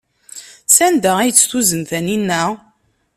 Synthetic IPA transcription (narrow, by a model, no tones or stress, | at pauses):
sænd̪əæjət͡sːθuzənθæninːæ